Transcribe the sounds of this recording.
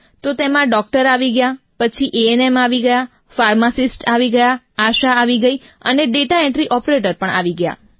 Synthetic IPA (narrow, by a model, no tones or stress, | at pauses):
t̪ot̪emãɖɔk̚ʈəɾaʋiɡəja | pət͡ʃʰiʔeenemaʋiɡəja | faɾmasisʈaʋiɡəja | aʃaːʋiɡəiə̰neɖeʈaeɳʈɾiʔɔpɾeʈəɾpəɳa̰ʋiɡəja̰